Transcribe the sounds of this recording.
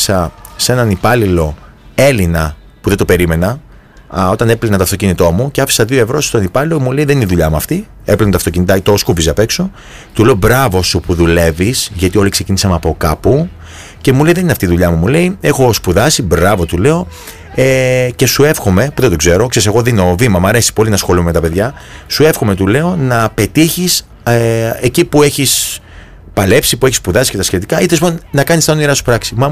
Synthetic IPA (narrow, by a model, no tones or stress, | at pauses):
sɐse̞nɐnipɐlilo̞ | e̞linɐ | puðed̪o̞pe̞ɾime̞nɐ | o̞t̪ɐne̞plinɐt̪oɐft̪o̞cinit̪o̞muceɐfi̥sɐðio̞e̞vɾo̞sst̪onipɐlilomule̞iðe̞niniðuʎɐmuɐft̪i | eplinɐt̪oɐft̪o̞cinit̪ɐit̪oskuvizɐpe̞kso | t̪ule̞obɾɐvo̞supuðule̞visʝɐt̪io̞likse̞cinisɐmɐpo̞kɐpu | ce̞mule̞iðenineɐft̪iðuʎɐmumule̞ie̞xo̞spuðɐsibɾɐvo̞t̪ule̞o̞ | ece̞sue̞fxo̞me̞puðed̪oɡze̞ɾo̞kse̞ɾise̞ɣo̞ðinovimɐmɐɾe̞si̥po̞linɐsxo̞lumeme̞t̪ɐpe̞ðʝɐsue̞fxome̞t̪ule̞o̞nɐpe̞t̪içis | eecipue̞çis | pɐle̞psipue̞ç̬ispuðɐsi̥cet̪ɐsçet̪ikɐit̪eliponnɐkɐnist̪ɐoniɾɐsu̥pɾɐksimɐ